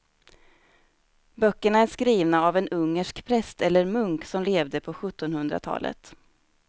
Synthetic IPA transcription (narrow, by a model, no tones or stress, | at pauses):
bœkːəɳaæʂkɾiːvnaavɛnɵŋːəʂkpʰɾɛst̪ɛlːəɾmɵŋksɔmleːvd̪əpʰɔɧɵt̪ːɔnhɵnd̪ɾa̰t̪ʰɑ̰ːlʔə̰t̪